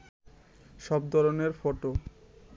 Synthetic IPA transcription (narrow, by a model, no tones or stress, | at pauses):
ʃɔb̚d̪ʱɔɾoneɾfoʈo